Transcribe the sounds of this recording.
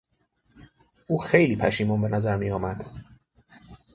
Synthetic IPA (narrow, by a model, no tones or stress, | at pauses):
uːxe̞jliːpʰæʃiːmunbenæzæɾmijɒːmæd̪̥